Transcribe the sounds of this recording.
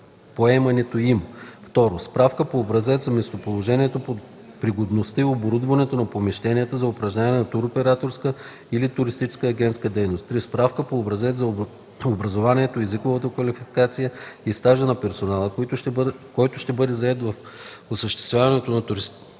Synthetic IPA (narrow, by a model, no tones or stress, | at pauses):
poɛmɐnɛt̪oimft̪ɔɾospɾafkəpoːbɾɐzɛt̪zɐmɛst̪opolˠoʒɛniɛt̪opo | pɾiɡod̪nost̪əioboɾud̪vɐnɛt̪onɐpomiʃt̪ɛniət̪əzɐʊpɾɐʒnʲavnɛnɐt̪uɾopɛɾat̪oɾskə | ilit̪ʊɾist̪it͡ʃɛ̥skəːɡʲɛnt̪skəd̪ɛjnost̪ːɾispɾafkəpoːbɾɐzɛt̪zɐ | obɾɐzovaniɛt̪oɛzikovət̪əkvɐlifikat̪sijəist̪aʒənɐpɛɾsonalˠəkt̪kɔjt̪ʊʃt̪ɛbɤd̪ɛzɐɛt̪vɐfosəʃt̪ɛ̥st̪vʲjavɐnɛt̪onɐt̪ʊɾis